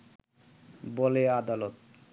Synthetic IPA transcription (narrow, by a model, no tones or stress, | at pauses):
bolead̪alot̪